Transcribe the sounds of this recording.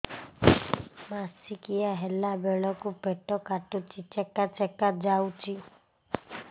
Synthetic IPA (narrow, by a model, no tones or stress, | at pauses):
masikijaɦelabeɭɔkupeʈɔkaʈut͡ʃʰit͡ʃɛkat͡ʃɛkad͡ʒawt͡ʃʰi